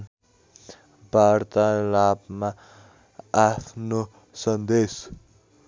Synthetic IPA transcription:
bʱaɾt̪alapma | apʰno | sʌnd̪es

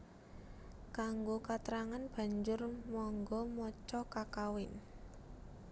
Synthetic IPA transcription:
kaŋɡokat̪ɾaŋanb̥a̤ɲd͡ʒʊrmɔŋɡɔmɔt͡ʃɔkakawɪn

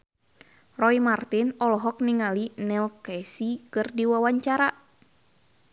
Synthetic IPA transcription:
rɔimart̪inɔlɔɦɔk̚niŋalinɛlkɛsikɨrdiwawaɲt͡ʃaɾa

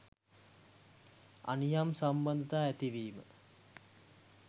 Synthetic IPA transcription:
a̰nijamsamband̪t̪aæt̪iʋiːmə̰

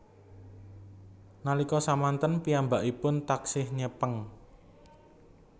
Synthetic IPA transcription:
nalikɔsamant̪ənpiambaʔipʊnt̪aksɪhɲəpəŋ

